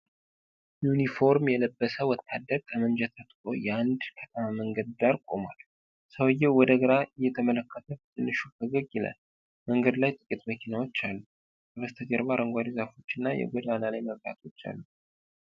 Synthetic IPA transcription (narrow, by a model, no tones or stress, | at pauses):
junifo̞ɾmjɛləbːəsəwɔt̪ʰːad̪ːəɾkʰəmənd͡ʒɛt̪ʰat̪kʼo̞̰jɛand̪kʰət̪ʰəmaməŋɡəd̪̚d̪aɾkʼo̞mwal | səwɨjːɛwɔd̪əɡəɾaʔɨjːɛt̪ʰəmələkʰːət̪ʰəbt̪ʰʼɨnːɨʃut̪ʰəɡəɡjɪla̰l | məŋɡəd̪lajt̪ʼɨkʼit̪məkʰinawot͡ʃːalːu | bəβəst̪ʰəd͡ʒʼɛɾβaɾʔəŋɡʷad̪izafo̞t͡ʃːɪnːajɛ̰ɡʷɔd̪analajməβt̪a̰t̪ʰo̞t͡ʃːa̰lːu